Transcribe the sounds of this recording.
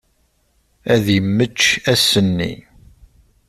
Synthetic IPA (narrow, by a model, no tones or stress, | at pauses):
æðjəmːət͡ʃːæsənːḭ